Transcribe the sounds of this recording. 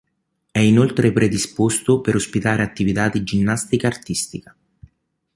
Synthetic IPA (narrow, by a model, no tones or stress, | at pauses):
ɛinolt̪ɾepɾed̪ispost̪opeɾospit̪aːɾeat̪ːivit̪ad̪id͡ʒinːast̪ikaːrt̪ist̪ikḁ